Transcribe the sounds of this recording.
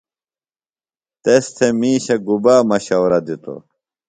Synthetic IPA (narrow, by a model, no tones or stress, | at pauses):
t̪est̪ʰemiːɕɐɡubaːmɐɕɐwɾɐd̪it̪o̰